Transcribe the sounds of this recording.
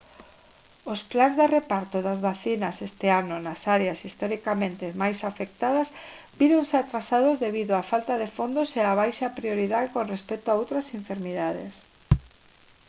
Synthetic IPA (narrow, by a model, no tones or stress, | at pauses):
osplanzðerepaɾt̪oðazβaθinasest̪eanonasaɾeasist̪ɔɾikamẽnt̪emajsafek̚t̪að̞ɐz | biɾonseat̪ɾasaðozðeβiðoafalt̪aðefond̪oseaβ̞ajʃapɾioɾiðaðkonrespɛt̪oaowt̪ɾasẽɱfeɾmiðaðḛs